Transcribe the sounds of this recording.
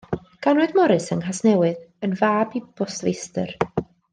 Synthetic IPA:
ɡ̥anwɨdmɔɾɨsənɦasnɛwɨðənvaːbib̥ɔsvḛjstə̰r

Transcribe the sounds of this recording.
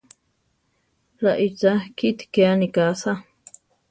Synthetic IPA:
laʔit͡sakit̪keanikasa

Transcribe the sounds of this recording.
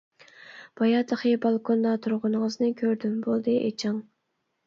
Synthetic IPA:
b̥ɑjɑt̪ʰəχibɑlˠkʰond̪ɑt̪ʰuɾʁʊnŋəznɨkʲʰøɾd̪ymbolˠd̪ɨʔḛt͡ʃʰɪŋ

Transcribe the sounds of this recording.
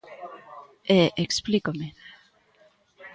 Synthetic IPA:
eʔeksplikome

